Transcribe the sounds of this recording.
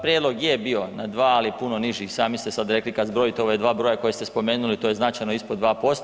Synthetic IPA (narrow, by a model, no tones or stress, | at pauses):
pɾjeːd̪lo̞ɡjebio̞nad̪ʋaːalipuno̞niʒixsaːmist̪esad̪ɾe̞klikazbɾo̞jit̪eo̞ʋoed̪ʋaːbɾojako̞jest̪e̞spo̞me̞ːnulit̪oje̞znat͡ʃajnoispod̪ʋaːpo̞st̪